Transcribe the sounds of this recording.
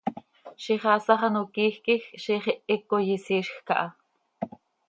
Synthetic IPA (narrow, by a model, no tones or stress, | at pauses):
ʃiχɑsɑχɑnokiːxkixʃiχiʔikojisiːʃxkɑ̰ʔɑ